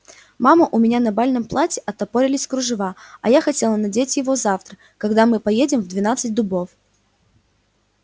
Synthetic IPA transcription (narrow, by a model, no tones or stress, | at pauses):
maməʔʊmʲɪnʲanɐbalʲnɨmplˠatʲɪʔɐt̪ɐpoɾʲɪlʲɪsʲkɾʊʐɨvaɐjaxɐtʲe̞lˠənɐdʲetʲjɪvo̞zaft̪ɾə | kɐɡd̪amɨpɐjedʲɪmvd̪vʲɪnat̪sɨt̚ʲd̪ʊbo̞f